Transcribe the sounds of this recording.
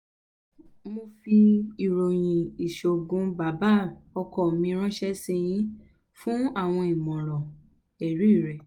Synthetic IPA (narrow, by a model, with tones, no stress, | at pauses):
mo˧fi˧i˨ɾo˨j̃ĩ˨i˨ʃo˨ɡũ˨˦ba˨ba˦ɔ˧kɔ˦˨mĩ˧ɾ̃ɔ̃˦ʃɛ˦sĩ˧j̃ĩ˦ | fũ˦a˦˨w̃ɔ̃˧i˨mɔ̃˨ɾ̃ɔ̃˨ | ɛ˨ɾi˨˦˨ɾɛ˨